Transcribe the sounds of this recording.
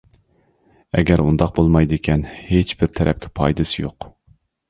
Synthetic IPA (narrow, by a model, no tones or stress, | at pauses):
ɛ̰ɡʲɛɾund̪ɑq̚bolˠmɑjd̪ɪkʲʰɛnhet͡ʃbɪɾt̪ʰɛɾʔɛp̚kʲʰɛ̥pʰɑ̰jd̪ɨsɪjo̰q